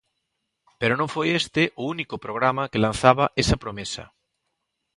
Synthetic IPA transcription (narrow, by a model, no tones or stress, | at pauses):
peɾonõŋfojest̪ɪʔʊunikʊpɾoɣ̞ɾamɐkelãn̟θaβɐʔesɐpɾomesɐ̰